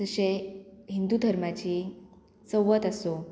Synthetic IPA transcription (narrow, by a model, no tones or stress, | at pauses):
əɕeɦind̪ud̪ʱəɾmat͡ɕiː | səwʋət̪əso